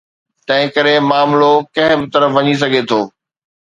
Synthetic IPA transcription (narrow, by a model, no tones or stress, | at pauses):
t̪ɐ̃ɦɪ̃kɐɾemaːmlokɐ̃ɦɪ̃bɪt̪ɐɾəfʋɐɲis̬ɐɡʱet̪ʰoː